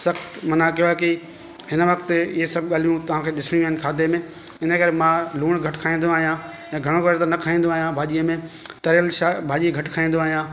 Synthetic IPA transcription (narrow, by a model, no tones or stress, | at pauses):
sɐxt̪mɐnakijoki | ɦɪnʋɐkt̪iɦesɐb̚ɠaːl̤ijũt̪ɐʋ̤ãːkʰeːɗɪsñijũaɦɪnɪkʰaːd̪emẽ | ɪnə̆kɐɾemãluːɽ̃ɡʱɐʈkʰaːĩːn̆d̪oaːɦijã | jãːɡʱɐɽ̃õkːɾet̪ɐnɐkʰaːĩːnd̪oaːɦijãbʱaːʄijəmẽt̪ɐɾəlʃabʱaːʄiːəɡʱɐʈkʰaːĩːn̆d̪oaːɦijãː